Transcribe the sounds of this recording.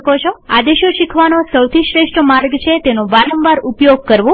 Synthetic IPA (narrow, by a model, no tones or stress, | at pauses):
kot͡ʃʰoa̰d̪eʃoʃikʰʋanosəwt̪ʰiʃɾeʃʈʰəmaɾɡt͡ʃʰet̪enõʋaɾəmbaɾupjoɡ̚kəɾʋũ